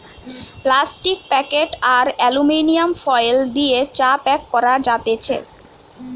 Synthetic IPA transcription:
plasʈik̚pɛkeʈaɾɛluminijamfɔjld̪iet͡ɕapɛkːɔɾad͡ʑat̪et͡ɕʰḛ

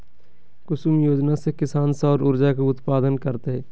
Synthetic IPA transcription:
kʊsʊmjoːd͡ʒnasekɪsaːnsɔːɾʊɾd͡ʒakuʊt̪paːd̪ənkəɾt̪eɦɛː

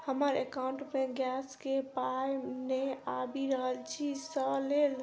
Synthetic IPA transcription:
həməɾekawɳʈmeɡjaskepajneabiɾəɦəlt͡ʃʰisəlel

